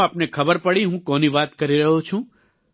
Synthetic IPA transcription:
apnekʰəbəɾpəɽiɦũkɔniʋat̪kəɾiɾəɦot͡ʃʰũ

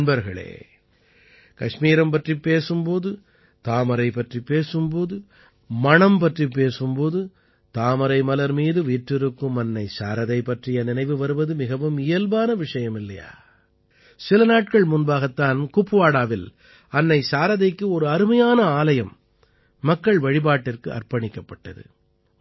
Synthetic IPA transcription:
nbɐɾɣɐɭḛː | kɐʂmiːɾɐmpɐʈripːeːsɯmpoːðɯ | t̪aːmɐɾɐɪpːɐʈripːeːsɯmpoːðɯ | mɐɳɐmpɐʈripːeːsɯmpoːðɯ | t̪aːmɐɾɐɪmɐlɐɾmiːðɯʋiːʈrɪɾɯkːɯmɐnːɐɪsa̰ːɾɐðɐɪpːɐʈrɪjɐnɪnɐɪʋɯʋɐɾɯʋɐðɯmɪɣɐʋɯmɪjɐlʋaːnɐʋɪʂɐjɐmɪlːɐ̰ja̰ː | sɪlɐnaːʈ̚kɐɭmʊnbaːɣɐt̪ːaːnkʊpːɯʋaːɽaːʋɪl | ɐnːɐɪsaːɾɐðɐɪkːɯɔɾɯɐɾɯmɐjaːnɐaːlɐjɐmː | ɐkːɐɭʋɐɻɪbaːʈːɪrkɯʔɐ̰rpɐɳɪkːɐpːɐʈːɐ̰ðɯ̰

